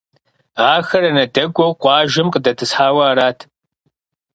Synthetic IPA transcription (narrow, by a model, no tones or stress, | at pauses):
aːxɐɾɐnɐdɐɡʷɔwqʷɑːʒɪmqədɐtʰɨsħaːwɐaːɾaːtʰ